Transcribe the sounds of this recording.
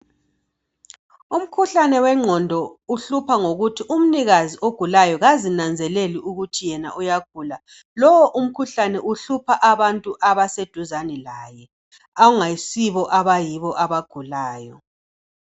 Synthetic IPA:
um̩kʰuɬanɛwɛŋ͡ǀʱɔndʱɔuɬupʰaŋoɣutʰiʔum̩niɣazioɡ̥ʱulajɔɣazinand͡zʱɛleliuɣutʰijɛna̰ʔujaɡ̥ʱuːla | lɔwɔʔum̩kʰuɬanɛʔuɬupʰaʔaβantʼuʔaβased̥ʱuzanɛlaːjɛ | auŋaisiβɔʔaβajiβɔʔaβaɡ̥ʱulaːjɔ

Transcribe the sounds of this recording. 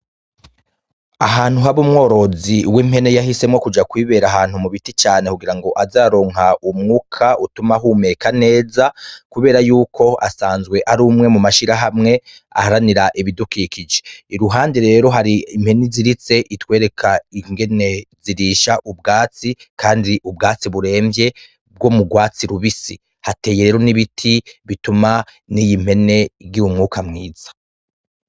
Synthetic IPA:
aɦaːn̥huɦaβumŋo̞ːɾo̞ziwim̥he̞ne̞jahise̞mŋo̞kud͡ʒakwiːβe̞ːɾaɦaːn̥humuβitit͡ʃaːne̞kuɡiɾaŋɡo̞ʔazaːɾo̞ːŋ̥ɦaumŋuːkʰautumaɦuːme̞kane̞ːzakuβe̞ːɾajuːkʰo̞a̰saːnzɡwe̞ʔaɾuːmŋe̞mumaʃiɾaɦamŋe̞ | a̰haɾaniɾaʔiβidukiːkid͡ʒe̞iɾuɦaːndeɾe̞ːɾo̞ɦaɾiim̥he̞niziɾit͡se̞ʔitwe̞ːɾe̞kʰaiŋɡe̞ne̞ziɾiːʃaʔub̚ɡaːt͡sikʰaːndiʔub̚ɡaːt͡siβuɾe̞ːmbje̞ | b̚ɡo̞muɡwaːt͡siɾuβisi | hate̞ːjeɾeːɾo̞niβitʰiβituma | nijim̥he̞ne̞ɾɟiumŋuːkamŋiːz̥ḁ

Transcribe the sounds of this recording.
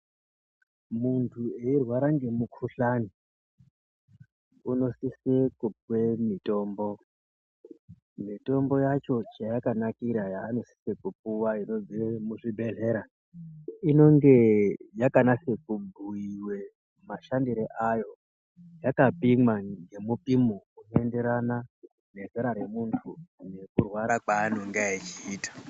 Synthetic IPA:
muntʰue̞irwaɾaŋɡe̞mukʰuɬani | uno̞sisekup̚wemito̞ːmbo̞ | mito̞mbo̞jat͡ʃo̞t͡ʃajakanakiɾajaːno̞si̥sekup̚uwaino̞ziemuʐibʱe̞ɮe̞ɾa | ino̞ŋɡe̞jakanase̞kubʱuiwe̞ | maʃandiɾeʔajo̞ | jakapimwaŋɡe̞mupimounende̞ɾana | ne̞zeɾaɾe̞muntʰune̞kurwaɾakwaːn̤oŋɡeit͡ʃiːtḁ

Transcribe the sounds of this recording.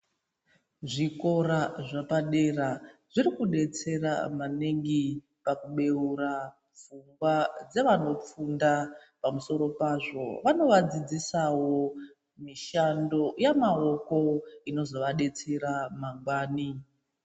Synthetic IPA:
ʐiko̞ɾaʐapaɗe̞raʐirikuɗe̞t͡se̞ra̰maneŋɡi | pakuɓe̞ura | vuŋɡwad͡ze̞ʋano̞p͡fundapamuso̞ɾo̞paːʐo̞̰ʋano̞ʋad͡zid͡zisawo̞ | miʃando̞jamao̞ko̞ino̞zo̞ʋaɗe̞t͡se̞ɾamaŋɡwaːni

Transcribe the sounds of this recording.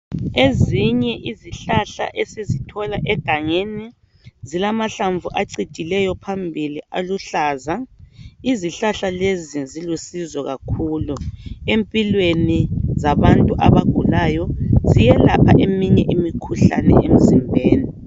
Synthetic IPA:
eziɲɛʔiziɬaɬa̰ʔesizitʰɔlaʔɛɡ̥ʱaŋeni | zilamaɬaɱvuʔaǀitilɛjɔpʰambʱilialuɬaːzaiziɬaɬalezizilusizɔɣakʰuːluempʼilwenizaβantʼuʔaβaɡ̥ʱulaːjɔzijɛlapʰa̰ʔemiɲɛʔimikʰuɬa̰nɛ̰em̩zimbʱeːni

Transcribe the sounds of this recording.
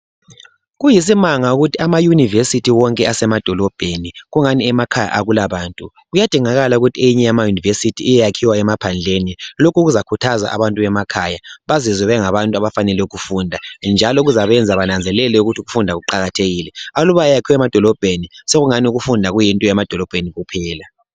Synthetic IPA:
ɣujis̬imaŋauɣutʰiamajunivesitʰiwɔŋkʼɛasɛmad̥ʱɔlɔb̥ʱeniɣuŋaniɛmakʰaja̰ʔaɣulaβaːntʼu | ɣujad̥ʱiŋaɣalauɣutʰiejiɲɛjamajunivesitʰiːjɛjakʰiwaɛmapʰand͡ɮʱenilokuɣuzakʰutʰaza̰ʔa̰βantʼuβɛmakʰajaβazizɛβɛŋaβantʼuaβafanɛlɛuɣufundʱand͡ʒʱalɔɣuzaβɛnd͡zʱaβanand͡zʱɛlɛlɛuɣutʰiuɣufundʱaɣuǃaɣatʰeɣiːlɛaluβajakʰiwɛmad̥ʱɔlɔb̥ʱeniseɣuŋaniuɣufundʱaɣujintʼɔɛmad̥ʱɔlɔb̥ʱeniɣupʰɛːla

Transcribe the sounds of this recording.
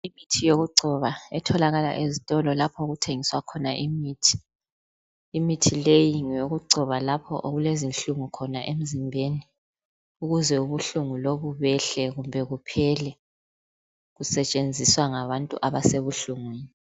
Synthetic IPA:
imitʰijoɣuǀʱɔβaɛtʰɔlaɣala̰ʔezitʼɔlɔlapʰɔɣutʰeŋiswakʰɔnaʔimiːtʰi̥ | mitʰilejiŋjoɣuǀʱɔβalapʰɔ̰ʔoɣulezinɬuŋukʰɔnaʔem̩zimbʱeni | uɣuzɛuβuɬuŋuloβuβɛɬɛɣumbʱɛɣupʰɛlɛ | ɣusɛt͡ʃʼend͡zʱiswaŋaβantʼṵʔaβaseβuɬuŋwiːni

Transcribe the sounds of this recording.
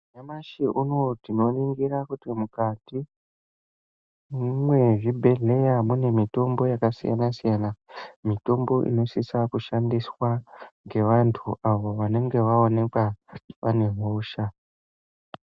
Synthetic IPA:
ɲamaʃiʔuno̞tino̞riŋɡiɾakutimukati | mwe̞ʐibʱe̞ɮe̞jamune̞mito̞mbo̞jakasḭja̰nasijanamito̞mbo̞ʔḭno̞sisakuʃandiswaŋɡe̞ʋantʰuʔaʋo̞ʋane̞ŋɡe̞ʋaone̞kwaʋane̞ɦuːʃa

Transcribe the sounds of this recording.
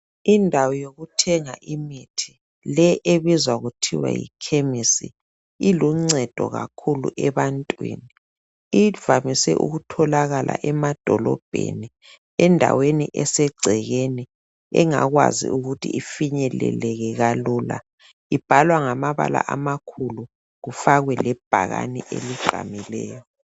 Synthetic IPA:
indʱawɔjoɣutʰɛŋaʔimitʰi̥ | lɛʔeβizwaɣutʰiwa̰jḭkʰemisḭ | iluŋ͡ǀɛd̥ʱɔɣa̰kʰulṵʔɛβantʼwḭːni | iv̥amisɛ̰ʔṵɣutʰɔlaɣalʔa̰ʔɛmad̥ʱɔlɔ̰b̥ʱḛni | ɛndʱa̰weniʔɛsɛɡ͡ǀʱɛɣeni | ɛŋaɣwa̰zḭuɣutʰḭʔifiɲɛlɛ̰lɛɣɛɣalula | ib̥ʱalwaŋamaβa̰la̰ʔamakʰulu | ɣufaɣwɛlɛb̥ʱaɣa̰niʔḛliɡ̥ʱa̰milɛ̰ːjɔ

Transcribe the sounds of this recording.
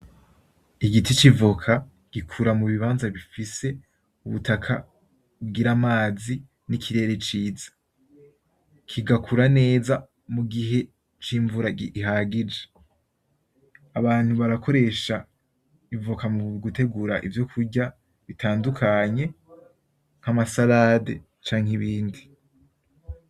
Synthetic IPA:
iɡitit͡ʃivukʰa | ɡ̥ikʰuɾamuβiβaːnzaβifise̞ | uβṵtʰakʰa̰ | bɡiɾamaːzi | nikʰiɾe̞ɾe̞t͡ʃiːzḁ | kʰiɡakʰuɾane̞ːza | muɡiɦe̞ | t͡ʃiːɱvuɾaɡiiɦaɡid͡ʒe | aβaːn̥huβaɾakʰo̞ɾe̞ʃa | ivukamuɡute̞ɡuɾaʔḭvjo̞kʰuɾɟa | βitʰaːndukʰaɲe̞ | ŋ̥amasaladḛ | t͡ʃaːŋ̥iβiːndi

